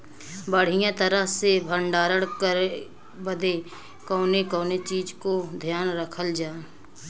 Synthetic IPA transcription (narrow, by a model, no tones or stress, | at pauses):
bəɽ̤ɪjãt̪əɾəɦsebʱəɳɖaːɾəɽkəɾe | bəd̪e | kɔːnekɔ̃ːnet͡ʃiːd͡ʒkod̪ʱjaːnɾəkʰəld͡ʒaː